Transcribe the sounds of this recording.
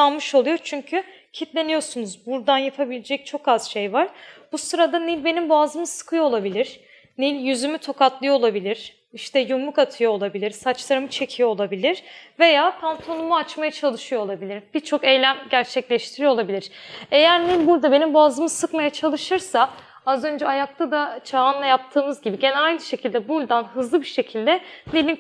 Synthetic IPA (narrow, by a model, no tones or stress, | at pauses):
anmɯʃo̞lˠujo̞t͡ʃʰyɲcʰy | cʰit̪lʲe̞nijo̞sunuzbuɾd̪anjapʰabilʲed͡ʒɛc̚t͡ʃʰo̞kaz̥ʃe̞jvaɾ̥b̥usɯɾad̪anilʲbe̞nimbuazɯmɯsɯ̥kʰɯjo̞olˠabilʲiɾ̥ | nilʲjyzymyt̪ʰo̞kat̪lˠɯjo̞olˠabilʲiɾ̥ | iʃt̪ɛjumːˠukat̪ʰɯjolˠabilʲiɾsat͡ʃlˠaɾɯmɯt͡ʃʰe̞cʰijolˠabilʲiɾ̥ve̞jaːpʰant̪ʰo̞numuat͡ʃmajat͡ʃʰalˠɯʃɯjo̞lˠabilʲiɾb̥iɾt͡ʃʰo̞ke̞jlʲæmɟæɾt͡ʃʰɛclʲɛʃt̪ʰiɾijolˠabilʲiɾ̥e̞jæɾnilʲbuɾd̪abe̞nimbuazɯmɯsɯkmajat͡ʃʰalˠɯʃɯɾsa | azø̞nd͡ʒɛajak̚t̪ʰad̪at͡ʃʰaːnlˠajap̚t̪ʰɯːmɯzɟibiɟe̞nɛajnɯʃe̞cʰilʲd̪ɛbuld̪anɦɯzlˠɯbiʃe̞cʰilʲd̪ɛnilʲin